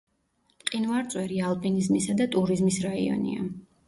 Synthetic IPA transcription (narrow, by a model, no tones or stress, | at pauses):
qʼinvaɾt̪sʼwɛɾialˠpʼinizmisad̪at̪ʼuɾizmisɾaḭɔ̰nḭa̰